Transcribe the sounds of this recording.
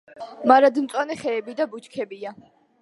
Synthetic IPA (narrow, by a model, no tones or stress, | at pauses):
maɾad̪mt̪sʼwanɛχɛːbid̪abut͡ʃkʰɛbia